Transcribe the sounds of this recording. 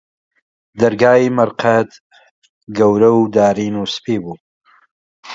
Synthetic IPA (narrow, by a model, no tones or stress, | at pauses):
d̪ɐɾɡaːiːmɐɾqʰɐt̪ | ɡɐwɾɐwd̪aːɾiːnuːspiːbuː